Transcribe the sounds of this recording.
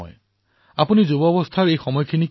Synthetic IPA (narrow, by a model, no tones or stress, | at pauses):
ɔ̰j | apunizubɔbɔst̪ʰaɹejxɔmɔjkʰinik